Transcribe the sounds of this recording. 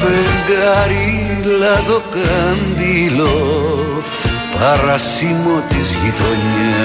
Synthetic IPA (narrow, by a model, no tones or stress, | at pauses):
βeŋɡaɾilaðokand̪ilo | paɾasimot̪izɣiðoɲa